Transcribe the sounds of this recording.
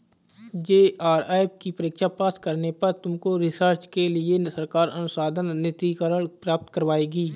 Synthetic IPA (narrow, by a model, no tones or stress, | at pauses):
d͡ʒeːaːɾaːbkipəɾɪkʃapaːskəɾnepɐɾt̪ʊmkoɾɪsəɾt͡ʃkelɪesəɾkaːɾɐnʊsaːd̪ʱənnɪt̪ikəɾəɭpɾaːp̚t̪kəɾʋaːeːɡiː